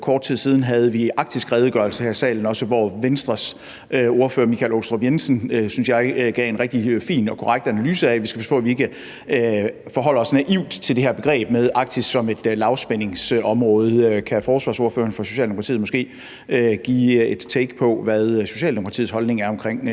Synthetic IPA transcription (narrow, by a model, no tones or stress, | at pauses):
kʰɒːd̥̚t͡sʰið̰ˠsiːð̞ˠn̩ɦæð̞̩ˠəʋiɑ̈ɡ̥̚d̥isɡ̥ʁɛːð̞ˠɡ̥ɶɐlsəhæɐisɛ̰ːln̩ɒ̽səʋɒʋensd̥ʁɐs | øo̝ɐføːɐmikʰælo̥sd̥ʁobjensənøsynsjɑ̈ɪɡ̥ɛ̰e̝nʁɛɡ̥̚d̥ifḭːnɒ̽kʰɒʁaɡ̥̚d̥ænælyːsəæʋisɡ̥æpʰæsə̥pʰɔ̽ːæʋie̝ɡ̥ə | øfɒ̽ɦɒ̽l̰ɐɒ̽snæʔiʊ̰d̥t͡sʰeld̥e̝heɐb̥e̝ɡ̥ʁɛ̰ːb̥meðˠʔɑ̈ɡ̥̚d̥ʰisɡ̥sɒ̽me̝d̥lɑ̈ʊsb̥ene̝ŋsɒ̽mʁɔ̽ːð̞̩ˠkʰæfɒːsʋɑ̈ːsoɐføːɐnfɒ̽soɕɛ̰ldemokʰɑt͡sʰḭːmɒ̽sɡ̥e̝̰ː | øɡ̥ḭːed̥t͡sʰeːɡ̥pʰɒ̽ʋæðˠso̝ɕɛ̰ːldemokʰɑt͡sʰḭːhɒ̽lne̝ŋæɐɒ̽mkʰʁeŋ̰